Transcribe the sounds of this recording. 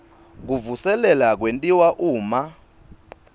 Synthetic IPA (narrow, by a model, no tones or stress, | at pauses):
k̬uvusɛlɛlak̬wentʼiwaʔuːma